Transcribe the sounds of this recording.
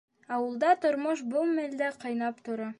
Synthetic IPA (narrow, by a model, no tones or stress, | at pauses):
ɑwɤ̆lˠd̪ɑt̪ŏɾmoʃ̬bɤlˠmæld̪æqɑjnɑpt̪ŏɾɑ